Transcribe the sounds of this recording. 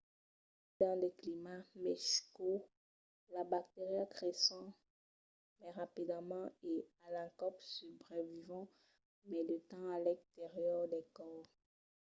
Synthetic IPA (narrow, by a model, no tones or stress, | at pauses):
d̪̥ɑ̃leklimamɛsi̥ko | labak̚t̪eʁiakχesɑ̃ | mɛʁapid̪amɑ̃ealɛ̃kɔpsybʁɛvivɑ̃ | mɛlət̪ɑ̃alɛ̃kt̪eʁjœʁd̪ɛkɔːʁ